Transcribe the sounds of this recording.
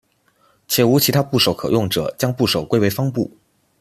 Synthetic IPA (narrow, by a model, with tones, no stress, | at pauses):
t͡ɕʰjɛ˨˩u˧˥t͡ɕʰi˧˥t̪ʰa˥pu˥˩ʂo˨˥ʊkʰɤ̰˨˩jʊ˥˩ŋʈ͡ʂɤ̰˨˩˦t͡ɕjɑ˥ŋpu˥˩ʂo˨˩ʊkwe˥ɪwe˧˥ɪfɑ˥ŋpu˥˩